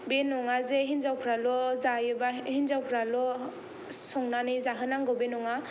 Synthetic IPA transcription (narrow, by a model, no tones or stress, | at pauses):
benɔŋazeɦinzawpʰɾalɔzajɯbahinzawpʰɾalɔ | sɔŋnanizaɦɯnaŋɡɔbenɔŋa